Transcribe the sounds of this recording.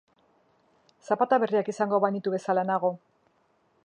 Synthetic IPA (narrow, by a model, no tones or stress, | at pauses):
sapat̪aβe̞riakisaŋɡo̞βajnit̪uβe̞salaenaɣ̞o̞